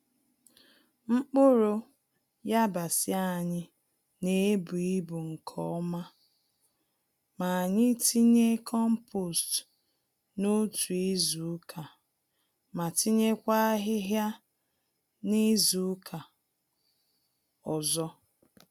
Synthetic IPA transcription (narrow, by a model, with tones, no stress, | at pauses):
ŋ͡m̩˦k͡pʊ˦ɾo˦ | ja˦ba˨sɪ˦a˦˨ɲɪ˦ | ne˨˦bu˨i˦bu˨ŋ̩˨kʰɔ̰˦ɔ˦ma˦ | ma˨a˨ɲɪ˦ti˦ɲe˦kʰɔ˦m̩˦pʰo˨st | no˦tu˨e˦zu˨˦kʰa˨ | ma˨ti˦ɲe˦kʷa˦ɦɪ˦ɦja˦ | ni˦zu˨˦kʰa˨ | ɔ˨zɔ˦